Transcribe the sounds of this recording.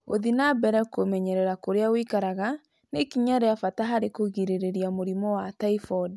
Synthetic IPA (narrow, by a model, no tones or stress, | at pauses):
o̰ðinabɛɾɛkomɛɲɛɾɛɾakoɾeawikaɾaɣa | nekiɲaɾeafataɦaɾekoɣiɾeɾeɾiamoɾimɔwataifɔd